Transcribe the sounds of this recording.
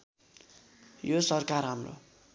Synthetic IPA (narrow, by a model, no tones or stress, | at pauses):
josʌrkarɦamro̰